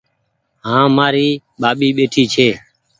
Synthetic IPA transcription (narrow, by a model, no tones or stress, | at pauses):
ɦãːmaːɾiː | ɓaːɓiːɓeːʈʰiːt͡ʃʰeː